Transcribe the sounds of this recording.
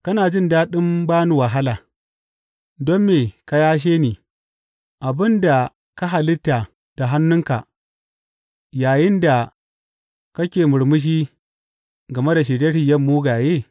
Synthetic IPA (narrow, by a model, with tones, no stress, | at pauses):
kɐ˦naː˨d͡ʒɪ˦ndaː˦ɗɪ˦mbaː˦nu˨wa˨ɦa˦laː˨ | dɔ˦mːeː˨ka˦jaː˦ʃ̬eː˦niː˨ | ʔa˨bɪ˦nda˨ | ka˦ɦa˨lɪ˦tːa˨ | d̥a˨ɦa˦nːʊ˦ŋka˨ | jaː˨jɪ˦nda˨ | kɐ˦kʲeː˨mʊ˨ɽmʊ˦ʃ̬iː˦ | ɡɐ˨me˦da˨ʃ̬eː˨dɐ˦ɾɪ˨jɐ˦mːuː˦ɡaː˨jeː˦˨